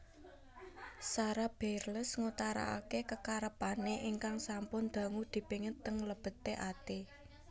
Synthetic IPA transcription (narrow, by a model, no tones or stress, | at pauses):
saɾab̥erləsŋut̪aɾa̰a̰kekəkaɾəpaneʔiŋkaŋsampʊnd̪̥a̤ŋud̪̥i̤piŋət̪ːəŋləb̥ə̤t̪ːeʔat̪e